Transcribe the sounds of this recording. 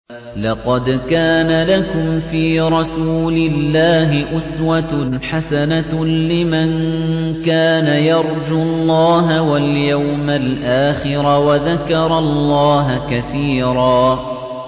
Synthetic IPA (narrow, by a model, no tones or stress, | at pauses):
lɑqɑd̪kaːnalakʊmfiːɾˤɑsuːlɪlːaːɦɪʔʊswat̪ħasanalɪmankaːnajɑɾˤd͡ʒʊlˤːɑːɦawaljawmalʔaːxɪɾawaðakɑɾˤɑllˤːɑːɦkaθiːɾˤɑː